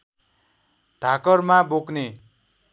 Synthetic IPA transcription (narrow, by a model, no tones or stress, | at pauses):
ɖʱakʌrmabokne